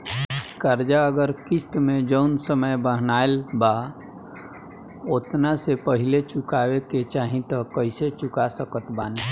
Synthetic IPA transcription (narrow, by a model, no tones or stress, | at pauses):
kəɾd͡ʒaəɡəɾkɪst̪mẽd͡ʒəʊnsəməjbəɦnaːelba | ot̪nasepəɦɪlet͡ʃʊkaːweket͡ʃaːɦĩt̪ɔkəɪset͡ʃʊkasəkət̪baːn